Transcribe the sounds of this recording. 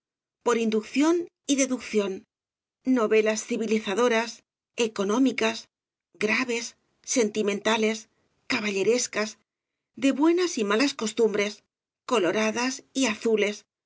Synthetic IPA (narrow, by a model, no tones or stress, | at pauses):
po̞ɾind̪ukθjo̞n | iðe̞ðukθjo̞nː | o̞βe̞lasθiβiliθaðo̞ɾas | eko̞nõ̞mikas | ɡɾaβ̞e̞sː | e̞nt̪imẽnt̪ale̞s | kaβaʎe̞ɾe̞skaz | d̪e̞βwe̞nasimalasko̞st̪umbɾe̞s | ko̞lo̞ɾaðasiaθule̞s